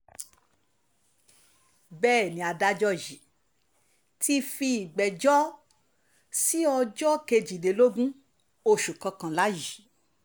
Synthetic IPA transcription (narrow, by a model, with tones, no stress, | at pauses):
bɛː˦˨nĩ˨a˨da˧˦d͡ʒɔ˧ji˨˦ | ti˧fi˧i˨ɡ͡bɛ˨d͡ʒɔ˦ | si˦ɔ˧d͡ʒɔ˦ke˧d͡ʒi˨de˨˦lo˦ɡũ˦ | o˧ʃu˨kã˧kã˧la˦ji˨˦